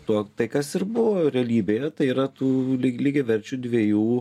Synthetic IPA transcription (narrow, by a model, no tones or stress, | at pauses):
t̪uɔt̪ɐɪkɐsɪɾbʊʋoːɾʲɛɐlʲiːbʲeːjɛt̪ɐɪiːɾɐt̪uːlʲɪlʲiɡʲɛʋʲɛɾʲt͡ʃʲud̪ʲʋʲeɛjuː